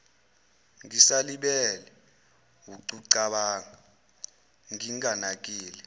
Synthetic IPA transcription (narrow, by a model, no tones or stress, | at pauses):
ŋisaliɓɛlɛ | wuǀuǀaɓaːŋa | ŋiŋanak̬ʼiːlɛ